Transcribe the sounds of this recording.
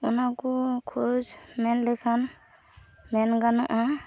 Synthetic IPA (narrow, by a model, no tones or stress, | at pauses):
unakukʰuɾd͡ʒmɛnlɛkʰan | mɛnɡanaʔa